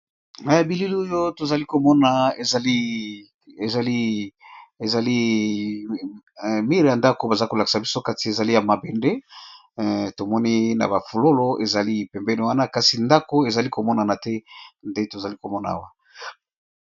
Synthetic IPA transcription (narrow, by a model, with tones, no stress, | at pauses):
na˨ja˨bi˨li˦li˦o˦jo˦to˨za˨li˦ko˨mɔ˦na˨e˨za˨li˦ | e˨za˨li˦ | e˨za˨li˦ | mi˦ʁi˨ja˨nda˦ko˨ba˨za˦ko˨la˨ki̥˨sa˨bi˦so˦ka˦ti˨e˨za˨li˦ja˨ma˨be˨nde˦ | to˨mɔ˦ni˦na̰˨ba˨fu˨lo˦lo˦e˨za˨li˦pɛ˨mbɛ˦ne˨wa˦na˦ka˦si˨nda˦ko˦e˨za˨li˦ko˨mɔ˦na˨na˨tɛ˦nde˦to˨za˨li˦ko˨mɔ˦na̰˨a̰˦wa˦